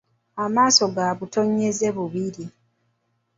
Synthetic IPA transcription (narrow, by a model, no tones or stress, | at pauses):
amaːso̞ɡaβuto̞ɲːeze̞βuβiɾi